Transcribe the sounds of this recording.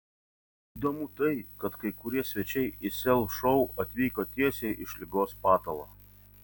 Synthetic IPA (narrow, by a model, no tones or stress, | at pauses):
id̪oːmʊt̪ɐɪkɐt̪kɐɪkʊɾʲiɛsʲʋʲɛt͡ʃʲɛɪɪsʲɛlˠʃɔʊɐt̪ʲʋʲiːkoːt̪ʲiɛsʲɛɪʔɪʃʲlʲɪɡoːspɑːt̪ɐlˠɐ̰ː